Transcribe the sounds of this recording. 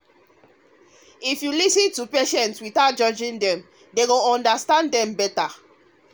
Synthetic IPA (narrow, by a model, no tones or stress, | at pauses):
ifjulisɨ̃ntupeʃɛ̃ntswiθaʊt̚d͡ʒɔd͡ʒĩndɛ̃m | deɡoɔ̃ndastãndɛ̃mbɛta